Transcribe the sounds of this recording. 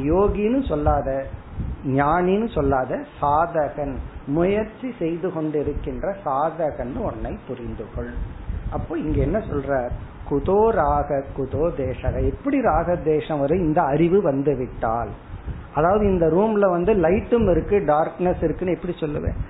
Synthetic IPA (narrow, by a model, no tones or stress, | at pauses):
joːɣinɯsɔlːaːðɐ | ɲaːninɯsɔlːaːðɐsaːðɐɣɐnmʊjɐɾt͡ʃːisɛjðɯkɔɳɖɪɾɯkːɪndrɐsaːðɐɣɐnːɯɔɳːɐɪpːʊɾɪnd̪ɯɣɐɭʔɐpːoːɪŋɡeːɛnːɐsɔ̰lraːɾ | kʊðoːɾaːɣɐkʊðoːd̪eːʂɐɣɐɛpːɐɽiɾaːɣɐd̪eːʂɐ̃mʋɐɾɐɪnd̪ɐɐɾɪʋɯʋɐnd̪ɯʋɪʈːa̰ːl | ʔɐðaːʋɐðɯɪnd̪ɐɾuːmlɐʋɐnd̪ɯlɐɪʈːɯmɪɾɯkːɯɖaːɾknɐsɪɾɯkːɯnɯɛpːɐɽisɔlːɯ̰ʋḛ̃ː